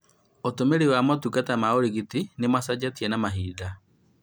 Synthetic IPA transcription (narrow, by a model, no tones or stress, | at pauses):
otomeɾewamɔtukatamaoɾiɣitinemasad͡ʑatiɛnamaɦiːða